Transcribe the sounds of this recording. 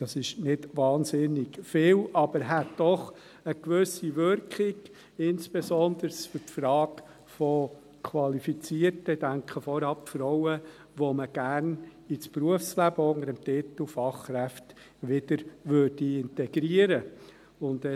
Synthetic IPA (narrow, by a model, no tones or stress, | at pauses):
d̥ɑsɪʃnɪdʋɑːnsɪnɪɡfɪːlʔɑb̥əɾɦætdɔχ | əkʋʏsiʋʏɾkχiɡ | ɪnsb̥esɔnd̪əɾsfʏtfɾɑːk | fɔ | kʰʋɑlifit͡siərtəɪd̥æŋkχəfɔɾɑpfɾɔʊə | ʋoməɡ̥æɾn | it͡spruəfslæbəʊŋəɾəmtɪt̪l̩fɑχːɾæft | ʋɪd̥əɾʋøːrd̥iɪntɛɡɾiəɾə | ʊnd̥ɛ